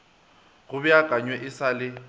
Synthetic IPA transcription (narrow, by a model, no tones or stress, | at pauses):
ɣʊbɪakʼaɲwɛʔɪsalɪ